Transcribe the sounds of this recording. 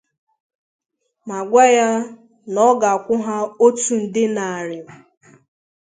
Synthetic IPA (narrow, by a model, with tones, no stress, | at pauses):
ma˨ɡʷa˦ja˦ | nɔ˦ɡa˨a˨kʷʊ˦ɦa˦o˦tu˨n̩˨dɪ˦na˨ɾɪ˨m̩˨